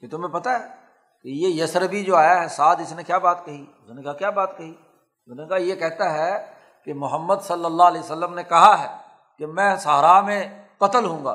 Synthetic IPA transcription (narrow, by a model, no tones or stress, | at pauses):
ket̪ʊmẽpɐt̪aɦɛː | kejejɐsɾəbid͡ʒoːaːjaɦɛsaːd̪ɪsnẽkjaːbaːt̪kɐɦiʊsnẽkakjaːbaːt̪kɐɦiː | ʊsnẽkajekɛɦt̪aɦɛ | kemʊɦəmːəd̪sɐlːəlːaːɦlɛːsəlːəmnekɐɦaɦɛː | kemɛ̃ːsaɦɾaːmẽkɐt̪əlɦũːŋɡa̰ː